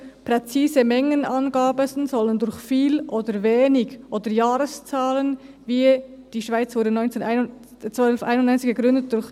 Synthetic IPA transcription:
pʁɛt͡siːzəmɛŋənɑnɡaːbəsnzɔləndʊɾçfiːlʔoːdəɾveːnɪɡʔoːdəɾjaːɾəst͡saːlən | viːd̥iːʃv̥aɪt͡sv̥ʊɾdənɔʏnt͡seːnaɪ | t͡sœlfʔa̰ɪnʊnːɔʏnt͡sɪçɡ̥əɡʁʏndət̚d̥ʊɾç

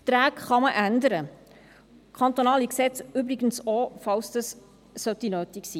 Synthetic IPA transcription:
t̪ɾæːkχɑməʔændəɾə | kʰɑnt̪onɑːliksɛt͡sybɾɪɡən̩sofɑʊsdəsː | œtinøːtiksiː

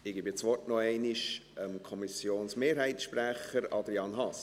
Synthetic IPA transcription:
ɪɡ̥ɪbɪt͡sʋɔrtnɔɛɪniʃəmkʰɔmisjoːnsmeːɾɦɛɪtsʃpræχəɾɑd̪ɾjɑːnɦɑs

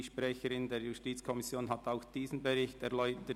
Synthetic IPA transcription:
ʃpʁɛçəɾɪndeːɾjustiːt͡skʰɔmɪsjoːnɦataʊxd̥iːznbeɾɪçtɛʁlɔʏətə

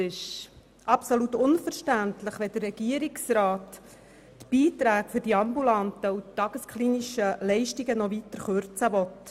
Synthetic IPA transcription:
ɪʃ | ʔɑpsolut̪ʊnfəɾʃtæntləχʋɛd̥̪ərːɛɡ̥iəɾiksɾɑːtː | b̥iːt̪ɾæːkfɵɾdiɑmbulɑnt̪əutːɑɡ̥əskχliːniʃəlɛɪʃtiɡənɔʋit̪əɾχøɾt͡səʋɔt̪

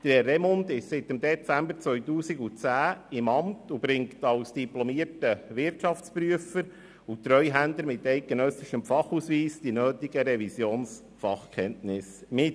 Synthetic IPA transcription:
d̥əɾrɛmɔndɪʃsɪtəmd̪ɛt͡sæmbəɾt͡sʋœʏtuːsɪɡut͡sæːɪmɑmtub̥ɾɪŋktɑʊsd̥iplɔmiəɾtəʋɪrtʃɑft͡spɾyəfəɾ | ut̪ɾœjɦændləɾmɪtɛɪt̚ɡ̥enœsɪʃəmfɑχusʋiːsd̥inøːtɪɡəɾɛvisjoːns | fɑχkʰɛntnɪsmɪt

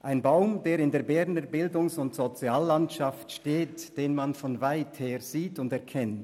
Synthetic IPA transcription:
ʔaɪnbaʊmdeːɾɪndeːɐbɛnəbɪldʊŋsʊntz̥ot͡sjaːlːantʃaftʃteːtd̥eːnmanfɔnvaɪtheːʁz̥iːtʊndɛɐkʰɛnt

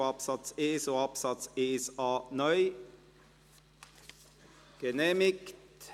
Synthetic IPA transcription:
ɑpsɑt̪seːsoɑpsɑt̪seːsɑːnœʏ | ɡ̥ɛneːmɪkt

